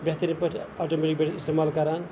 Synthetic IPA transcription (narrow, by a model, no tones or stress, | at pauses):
bjɐt̪inipɐʈʰaʈomeʈik̚beʈʰist̪emalkɐɾan